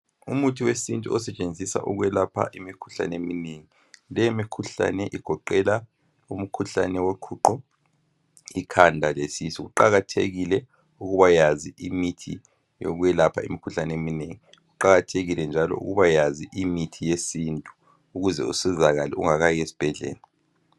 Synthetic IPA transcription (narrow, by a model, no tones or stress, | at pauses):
umutʰiwesintʼuɔsɛt͡ʃʼend͡zʱisa̰ʔuɣwɛlapʰa̰ʔimikʰu̥ɬa̰nɛemineŋi | lɛjemikʰuɬa̰nɛʔiɡ̥ʱɔǃɛla | um̩kʰuɬa̰nɛwokʰuǃɔ | ikʰandʱalesisiɣuǃaɣatʰḛɣilɛ | uɣuβajaziʔimitʰḭ | jo̰ɣujɛlapʰaḭmikʰuɬanɛemineŋi | ɣuǃaɣatʰeɣilɛnd͡ʒʱalɔ̰ʔṵɣuβajaziʔimitʰijesintʼu̥ | uɣuzɛusizaɣalɛ̰ṵŋaɣajesi̥b̥ʱɛɮɛ̰ːla